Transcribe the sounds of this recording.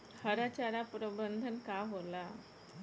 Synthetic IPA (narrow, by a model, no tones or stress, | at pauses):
həɾat͡ɕaɾapɾəbənd̪ʱənkaɦola